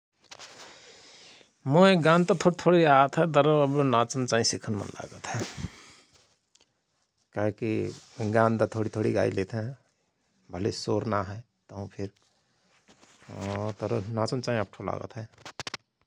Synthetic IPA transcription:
moeɡãnd̪t̪ɔt̪ʰoɽit̪ʰoɽiat̪ɦɛt̪əɾəəbnat͡ʃənt͡ʃaːɦĩsikʰənmə̰nla̰ɡət̪ɦɛ | kaɦekiɡãnt̪at̪ʰoɽit̪ʰoɽiɡa̰ilet̪ʰɦɛ̃ | bʱəlesoɾnaɦɛ | t̪əɦũpʰiɾ | t̪ɔɾnat͡ʃənt͡ʃaːɦĩəp̚ʈʰola̰ːɡə̰t̪ɦɛ

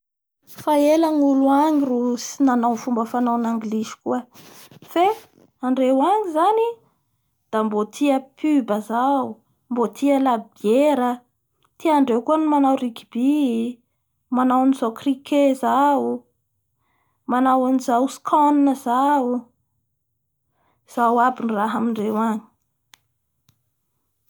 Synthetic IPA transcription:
faelaŋuluaŋirusinanawfumbəfanawnaŋɡlizi̥kuə | fe | aɳɖ͡ʐewaŋizani | d̪̥ambot̪ʰiəpʰybəzau | mbot̪ʰiəlabieɾə | t̪iaɳɖ͡ʐewkuənimanawrikib̥i | manawaniz̥awkrikʰezau | manawanizawskʰɔninəzau | z̥awabiniraɦamiɳɖ͡ʐewaɲi̥

